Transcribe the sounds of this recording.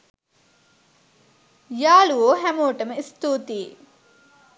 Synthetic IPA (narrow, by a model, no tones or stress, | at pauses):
jaːluoːɦɛmuːʈɐmɐist̪uːt̪iː